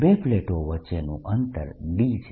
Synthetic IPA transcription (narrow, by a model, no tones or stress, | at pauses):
bepleʈoʋətːʃenṵ̃ʔənt̪ə̰ɾɖid͡ʒ